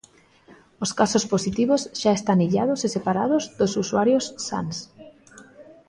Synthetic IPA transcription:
oskasosposit̪iβozʒaest̪aniʎað̞osesepaɾað̞ozðosusuaɾjosːa̰ns

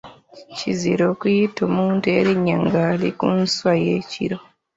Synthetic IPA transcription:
ciziɾo̞ːkujitoːmuːntue̞ɾiɲːaŋɡaːlḭkunswajeːcḭɾo

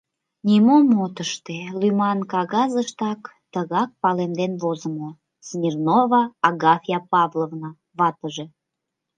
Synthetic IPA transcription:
nʲimomot̪əʃt̪elymɑnkɑɣɑzəʃt̪ɑk | t̪əɣɑk̚pɑlemd̪enβozəmo | smʲirnovɑɑɡɑfʲijɑpɑvlovnɑ | βɑt̪əʒe

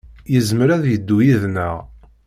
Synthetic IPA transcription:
jəzmɾæðjəd̪ːujiðnəʁ

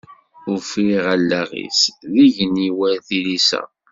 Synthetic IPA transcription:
ʊɾfɾiʁælːæʁḭsðiʝəniwæɾθilisæ̰

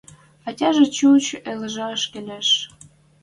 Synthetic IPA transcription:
ɑtʲɑʒĕt͡ɕut͡ɕeləʒɑəʃkelʲæʃ

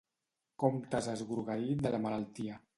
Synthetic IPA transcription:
komt̪azəzɣuɾɣaɾid̪əlamalalˠt̪ia

